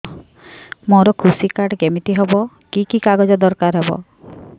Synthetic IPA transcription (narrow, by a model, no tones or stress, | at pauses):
moɾɔkʰusikaɾʈɡemit̪iɦebɔ | kikikaɡɔd͡ʒɔd̪ɔɾkaɾɦebɔ̰